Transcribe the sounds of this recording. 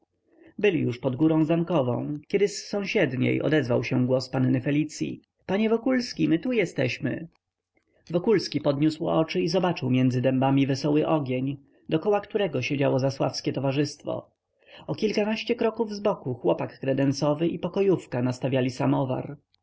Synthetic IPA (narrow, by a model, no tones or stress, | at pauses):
bɘlʲijuʂpɔd̪ɡuɾɔ̃w̃zamkɔvɔ̰̃w̃kʲɛd̪ɘsːɔ̃w̃ɕɛd̪ɲḛjɔ̰d̪ɛzvawɕɛɡwɔspanːɘfɛlʲit̪sʲjḭ | paɲɛvɔkulskʲimɘt̪ujɛst̪ɛɕmɘ̰ | vɔkulskʲipɔd̪ɲuswɔ̰t͡ʂɘizɔbat͡ʂɘwmʲjɛnd̪zɘd̪ɛmbamʲivɛsɔwɘʔɔɡʲjeɲ | d̪ɔkɔwakt̪uɾɛɡɔɕed͡ʑawɔzaswa̰fskʲɛt̪ɔvaʐɘst̪fɔ̰ | ɔkʲilkanaɕt͡ɕɛkɾɔkuvzbɔkuxwɔpakːɾɛd̪ɛnsɔvɘʔipɔkɔjufkanast̪avʲjalʲisamɔva̰ɾ